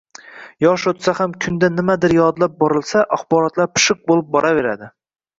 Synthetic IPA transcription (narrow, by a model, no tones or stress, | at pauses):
jɒʃot̪sahamkʲʰʊnd̪anɪmad̪ɪɾjɒd̪lˠap̚bɒɾɨlˠsaʔaχbɒɾɒt̪lˠaɾpʰɨ̥ʃɨq̚bolˠɪp̚bɒɾave̞ɾa̰d̪ɪ